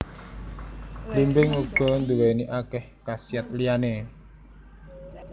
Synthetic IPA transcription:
limbɪŋuɡ̥ɔ̤nd̪uweniʔakɛhkasiat̪̚liane

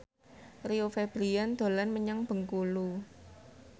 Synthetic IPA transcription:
riofeb̥ɾijand̪̥o̤lanməɲaŋb̥ə̤ŋkulu

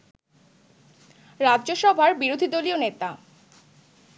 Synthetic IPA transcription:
ɾadʑoʃɔbʱaɾbiɾod̪ʱid̪olionet̪a

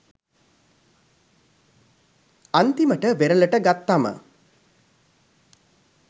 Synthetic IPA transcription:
ant̪iməʈəʋeɾələʈəɡat̪ːamə̰

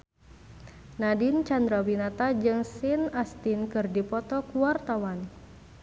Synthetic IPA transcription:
nadint͡ʃand̪ɾawinat̪ad͡ʒɨŋsinast̪inkɨrdipɔt̪ɔkuwart̪awan

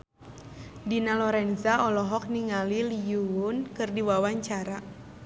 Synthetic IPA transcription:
dinalɔɾɛnzaɔlɔɦɔk̚niŋalilijuwʊnkɨrdiwawaɲt͡ʃaɾa

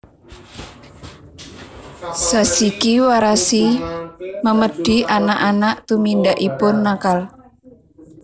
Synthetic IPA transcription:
sasikiwaɾasi | məməɖ̥i̤ʔanaʔanaʔt̪umindaʔipʊnːakal

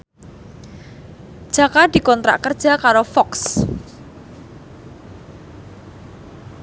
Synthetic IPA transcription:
d̥ʒ̥ä̤kad̪̥i̤kɔnt̪ɾa̰ʔkərd̥ʒ̥a̤kaɾofɔks

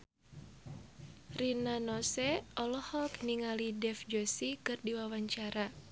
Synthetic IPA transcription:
rinanɔsɛʔɔlɔhɔkniŋalidɛfd͡ʒosikɨrdiwawaɲt͡ʃaɾa

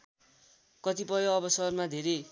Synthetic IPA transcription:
kʌt̪ipʌjoʌbʌsʌrmad̪ʱeɾe

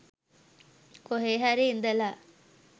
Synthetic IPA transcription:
koɦeːɦæɾiːnd̪əla

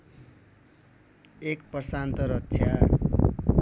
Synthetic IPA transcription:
ekpʌsant̪ʌɾʌksʰja

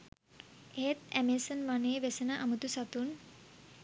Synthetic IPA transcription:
et̪æmesənʋaneːʋesənəʔamut̪usat̪un

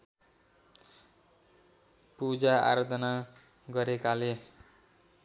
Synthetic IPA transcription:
pud͡zaa̰ɾʌd̪ʱʌna | ɡʌɾekale

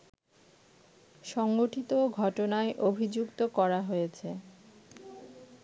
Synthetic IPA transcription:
ʃɔŋɡoʈit̪oɡʱɔʈonaeʔobʱid͡ʑukt̪okɔɾaɦojet͡ɕʰe

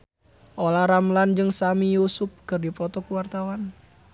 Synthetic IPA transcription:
ʔolaɾamland͡ʒɨŋsamijusʊp̚kɨrdifɔt̪ɔkuwart̪awan

